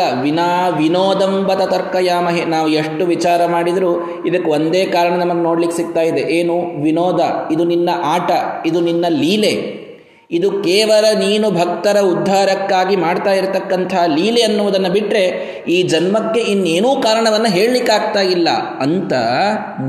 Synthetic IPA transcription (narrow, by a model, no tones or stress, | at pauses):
ɐʋinaːʋinoːd̪ɐmbɐt̪ɐt̪ɐɾkɐjaːmɐɦenaːʋueʂʈuʋit͡ʃaːɾɐmaːɽid̪ɐɾu | id̪ɐkːeo̞nd̪eːkaːɾɐɳɐnɐmɐɡeno̞ːɽlikːesiɡ̚t̪aːjid̪eʔeːnuʋinoːd̪ɐid̪uninːɐʔaːʈɐid̪uninːɐliːle̞ | id̪ukɛːʋɐlɐniːnubʱɐk̚t̪ɐɾɐud̪ʱːaːɾɐkːaːɡimaːɖt̪aːjiɾt̪ɐkːɐnt̪ʰɐaliːleɐnːuʋɐd̪ɐnːɐbiʈɾe̞ | iːd͡ʒɐnmɐkːe̞inːeːnuːkaːɾɐɳɐʋɐnːɐɦe̞ːɭlikːaːɡ̚t̪aːjilːɐ̰ɐnt̪ɐ